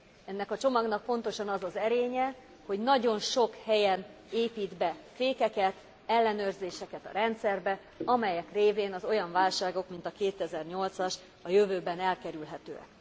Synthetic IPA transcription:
ɛnːɛkɒt͡ʃo̞mɒɡnɒk̚po̞nt̪o̞ʃɒnɒzɒzɛɾeːɲɛ | ho̞ɟnɒɟo̞nʃo̞khɛjɛn | eːpiːd̪bɛfeːkɛkɛt̪ | ɛlːɛnøːrzeːʃɛkɛt̪ɒ̰ɾɛnt̪sɛrbɛ | ɒmɛjɛkreːveːnɒzo̞jɒɱvaːlʃaːɡo̞kmin̪t̪ɒkeːt̪ɛzɛrɲo̞lt̪sɒʃ | ɒjøvøːbɛnɛlkɛɾylɦɛt̪ø̰ːɛ̰k

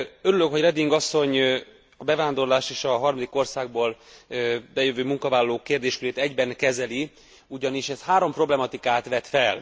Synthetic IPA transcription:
øɾylø̞kho̞ɟrɛd̪iŋɡɒsːo̞ɲ | ɒbɛvaːnd̪o̞rlaːʃeːʃɒɦɒrmɒd̪iko̞rsaːɡ̚boːl | bɛjøvøːmuŋkɒvaːlɒloːkeːrd̪eːʃkyɾeːt̪ɛɟbɛŋkɛzɛli | uɟɒniʃɛshaːɾo̞mpro̞blɛmɒt̪ikaːt̪ʋɛt̪fɛl

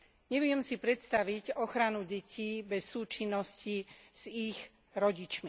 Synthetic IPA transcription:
ɲɛʋɪɛmsipɾɛt̪st̪aʋiɟɔxɾanuɟɛcʰiːbɛsːuːt͡ʃinːɔsciz̥iɣ | ɾɔɟit͡ʃmi

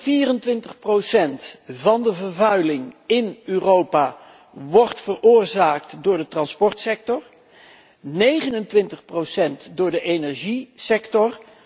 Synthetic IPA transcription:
viːrəntʋɪntəχprowsɛntvɑndəvərvœɥlɪŋɪnyːrowpaː | ʋɔrtfərʊːɹzaːk̚tdʊːɹdətrɑnspɔɹtsɛk̚tɔr | nejχənəntʋɪntəχprowsɛntdʊːɹdəʔejnɛɹʒisɛktɔr

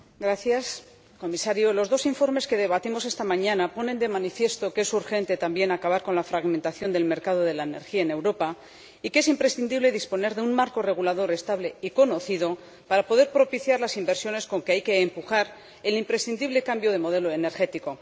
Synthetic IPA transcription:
ɡɾaθjas | ko̞misaɾjolo̞zðo̞siɱfo̞ɾme̞ske̞ðe̞β̞at̪imo̞s̬e̞st̪amãɲãnapo̞nend̪e̞manifje̞st̪o̞kee̞suɾxe̞nt̪e̞t̪ambje̞nakaβaɾko̞nlafɾaɣment̪aθjo̞nd̪e̞lme̞ɾkað̞o̞ð̞e̞laene̞ɾxiaene̞wɾo̞pa | ikeesimpɾe̞sθind̪iβle̞ðispo̞ne̞ɾðeunmaɾko̞re̞ɣ̞ulað̞o̞ɾe̞st̪aβle̞iko̞no̞θiðo̞ | paɾapo̞ðe̞ɾpɾo̞piθjaɾlasimbe̞ɾsjo̞ne̞sko̞ŋkeajke̞ːmpuxaɾ | e̞limpɾe̞sθind̪iβle̞kambjo̞ð̞e̞mo̞ð̞e̞lo̞ene̞ɾxe̞t̪iko̞

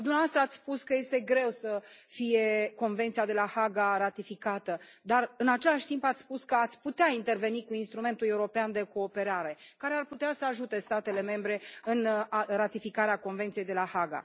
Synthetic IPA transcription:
d̪umeavast̪ɾəat̪sʲspuskəje̞st̪e̞ɡɾe̞wsəfije̞ko̞nve̞nt̪sijad̪e̞lahaɡaɾat̪ifikat̪əd̪arɨnat͡ʃe̞laʃt̪impat̪sʲspuskəat̪sʲput̪eaint̪e̞rve̞nikuinst̪ɾume̞nt̪ule̞uɾo̞peand̪e̞ko̞ːpe̞ɾaɾe̞kaɾe̞arput̪easəaʒut̪e̞st̪at̪e̞le̞me̞mbɾe̞ɨnarat̪ifikaɾeako̞nvent̪sije̞jd̪e̞lahaɡa̰

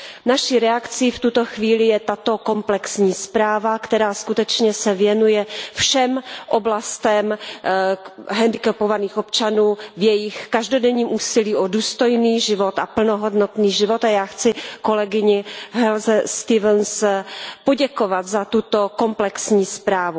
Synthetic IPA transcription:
naʃiɾɛakt͡sift̪ut̪oxviːlɪjɛt̪at̪o̞ko̞mplɛksɲiːspɾaːvakt̪ɛɾaːskut̪ɛt͡ʃɲɛsɛvjɛnujɛfʃɛmʔoblast̪ɛm | ɦɛndɪkɛpovaniːxop̚t͡ʃanuːvjɛjɪxkaʒdodɛɲiːmʔuːsɪliːʔoduːst̪ojniːʒɪvot̪apl̩noɦodnot̪niːʒɪvo̞t̪ajaːxt͡sɪkolɛɡɪɲɪɦɛlzɛst̪ɪvɛnspoɟɛkovat̪zat̪ut̪okomplɛksɲiːspɾaːvu

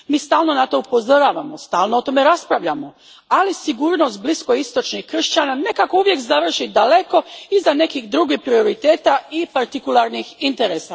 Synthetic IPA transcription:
miːst̪aːlno̞nat̪o̞upo̞zoɾaːʋamo̞st̪aːlˠnoot̪o̞me̞ɾaspɾaʋʎamo̞ | alisiɡuːɾno̞st̪̚blisko̞ist̪o̞t͡ʃnixkr̩ʃt͡ɕanane̞kako̞uʋje̞kzaʋr̩ʃid̪ale̞ko̞izane̞kixd̪ɾuːɡihpɾio̞ɾit̪e̞ːt̪aipaɾt̪ikulˠaɾnixint̪e̞ɾeːsa

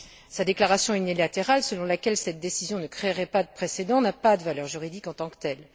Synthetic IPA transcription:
sad̪eklaʁasjɔ̃ynilat̪eʁalsəlɔ̃lakʲɛlsɛt̪̚d̪esizjɔ̃nəkχeʁɛpad̪əpχesed̪ɑ̃napad̪əvalœʁʒyʁid̪ikɑ̃t̪ɑ̃kt̪ɛl

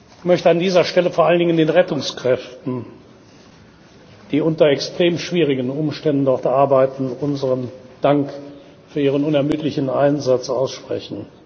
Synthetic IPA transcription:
çmœçtəandiːzɐʃtɛləfoːɐʔaləndɪŋəndeːnʁɛtʊŋskʁ̥ɛftn̩ | d̥iːʊntɐɛkstʁ̥eːmʃv̥iːʁ̞ɪɡən̩ʊmʃtɛndn̩dɔʁtʔaɐbaɪtn̩ʊnzəʁənd̥aŋk | fyːɐiːʁ̞ənʊnɛɐmyːtlɪçn̩ʔaɪnzat͡sʔa̰ʊsʃpʁ̥ɛ̰çn̩

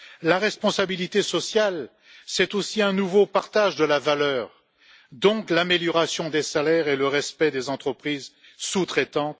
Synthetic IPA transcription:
laʁɛspɔ̃sabilit̪esɔsjal | sɛt̪osiɛ̃nuvopaʁt̪aʒd̪əlavalœːʁ | d̪ɔ̃klameljɔʁasjɔ̃d̪esalɛʁeləʁɛspɛd̪ezɑ̃t̪χəpχiz | sut̪χɛt̪ɑ̃t̪

